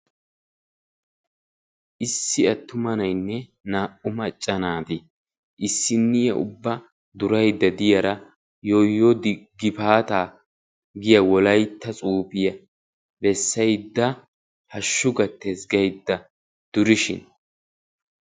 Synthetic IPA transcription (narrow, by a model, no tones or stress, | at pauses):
ʔɪsːɪɐt̪ːʊmɐnɐjnːɛ | naːʔʊmɐt͡ʃʼːɐnaːd̪ɪ | ʔɪsːɪnːɪjɐʔʊ̰bːɐ | d̪ʊɾɐjd̪ːɐd̪ɪjɐɾɐ | jojːɔd̪ɪɡːɪpaːt̪aː | ɡɪjɐwɔlɐjt̪ːɐt͡sʼuːpɪjɐ | bɛsːɐjd̪ːɐ | hɐʃːʊɡɐt̪ːesɡɐjd̪ːɐ | d̪̥ʊɾɪʃɪ̰n